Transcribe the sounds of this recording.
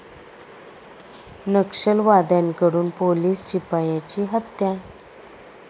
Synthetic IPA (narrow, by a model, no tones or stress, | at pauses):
nəkʂəlʋad̪jankəɽuːnpoliːst͡ɕipajat͡ɕiːɦət̪ja